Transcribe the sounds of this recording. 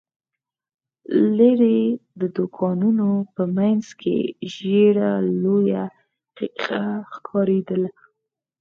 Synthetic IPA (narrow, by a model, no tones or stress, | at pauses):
leɾed̪əd̪ʊkʰɑnunopəmanzkʰḛʒeɽaloja | qiqaxkʰɑɾed̪əla